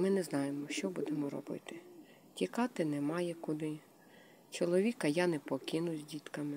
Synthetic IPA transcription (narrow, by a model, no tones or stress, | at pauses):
mɪnɛznɑjemɔʃt͡ʃɔbud̪emɔɾɔ̰bɪ̰t̪ɪ̥ | tʲikɑt̪ɪnɛmɑjɛkʊd̪ɪ | t͡ʃɔlˠɔʋʲikɐjɑnɛpɔkɪnʊzʲdʲit̪kɐmɪ